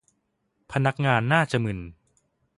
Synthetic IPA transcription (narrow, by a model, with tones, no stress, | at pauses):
pʰa˧na˦˥k̚ŋaː˧nːaː˥˩t͡ɕa˨˩mɯ˨˩n